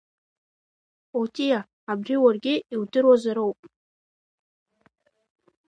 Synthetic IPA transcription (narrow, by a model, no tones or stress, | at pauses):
otʼijaː | briwarɡʲɪiwdɨɾwazaɾowpʼ